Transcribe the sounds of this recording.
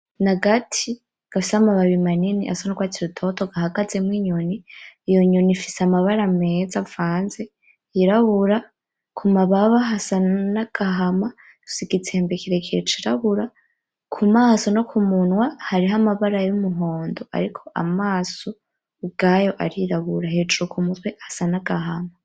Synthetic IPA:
naɡatʰi | ɡ̥afisamaβaβimaniniʔa̰sonokɡwatʰiɾutʰo̞tʰoɡaɦaɡaze̞mwiɲoniːjo̞ɲonifi̥samaβaɾame̞ːzavaːnze | iɾaβuɾa | kʰumaβaβaɦasanaɡ̥aɦama | u̥siɡit͡seːmbekʰiɾe̞kʰiɾet͡ʃiɾaβuɾa | kʰumaːso̞no̞kʰumunwahaɾiɦamaβaɾajumuɦo̞ːndoa̰ɾikʰo̞ʔa̰maːso | ɡ̥ajo̞ʔaɾiɾaβuɾahed͡ʒuukʰumutwehasanaɡ̥ahama

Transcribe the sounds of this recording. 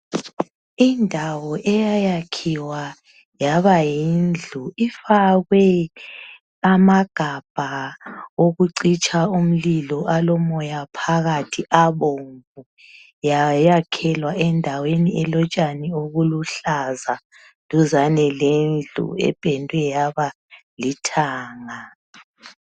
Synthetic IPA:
indʱawɔʔɛjajakʰiwa | jaβajind͡ɮʱuifaɣwɛ | amaɡ̥ʱab̥ʱa | oɣuǀit͡ʃʰʼaum̩lilɔʔalɔmɔjapʰaɣatʰiʔaβoɱvu | jajakʰɛlwaʔɛndʱaweniɛlɔt͡ʃʼanioɣuluɬaza | luzanɛlend͡ɮʱṵɛ̰b̥ʱɛndʱwɛjaβa | litʰaːŋa

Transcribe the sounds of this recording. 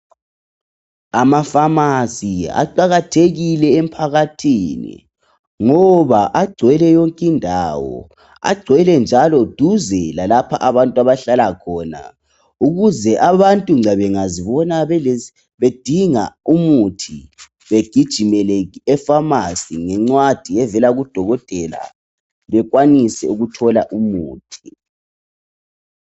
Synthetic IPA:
amafamasia̰ǃaɣatʰeɣilɛem̩pʰaɣatʰinḭ | ŋɔβaʔaɡ͡ǀʱwɛlɛjɔŋkʼindʱa̰wɔ̰ | a̰ɡ͡ǀʱwɛlɛnd͡ʒʱalɔd̥ʱuzɛlalapʰa̰ʔaβantʼwaβaɬalakʰɔːna̰ | uɣuzɛʔaβantʼuŋ͡ǀɛβɛŋaziβɔnaβɛ | βed̥ʱiŋa̰umutʰi | βeɡ̥ʱid̥ʒ̥ʱimɛlɛɣiɛfamasiŋɛŋ͡ǀwad̥ʱiɛvɛlaɣud̥ʱɔɣɔtʼɛla̰ | βɛɣwanisɛ̰uɣutʰɔlaʔumuːtʰi̥

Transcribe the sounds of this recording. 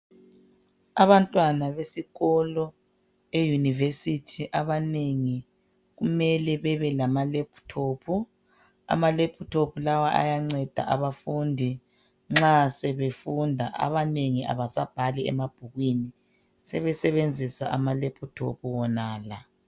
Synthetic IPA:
aβantʼwanaβesiɣɔlɔ | ejunivesitʰiʔaβaneŋi | ɣumɛlɛβɛβɛlamalepʰu̥tʰoːpʰu | a̰malepʰutʰopʰulawaʔa̰jaŋ͡ǀɛd̥ʱa̰ʔaβafundʱi | ŋ͡ǁasɛβefundʱa̰ʔa̰βaneŋiʔa̰βasab̥ʱalɛɛ̰mab̥ʱuɣwini | sɛβɛsɛβend͡zʱisaʔamalepʰutʰo̰pʰuwɔnaːla

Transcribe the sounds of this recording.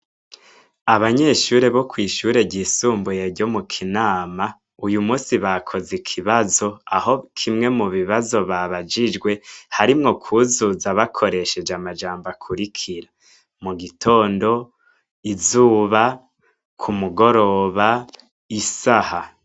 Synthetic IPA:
aβaɲe̞ːʃuːɾe̞βo̞kwiːʃuːɾe̞bɟiːsuːmbujeɟo̞mukʰinaːma | ujumuːsiβakʰo̞zikʰiβazo̞aho̞kʰimŋe̞muβiβazo̞βaβad͡ʒid͡ʒɡwe̞haɾimŋo̞kʰuzuzaβakʰo̞ɾe̞ʃe̞d͡ʒamad͡ʒaːmbakʰuɾikʰiɾa | muɡitʰo̞ːndo̞ | izuːβa | kʰumuɡo̞ɾo̞βa | isaha

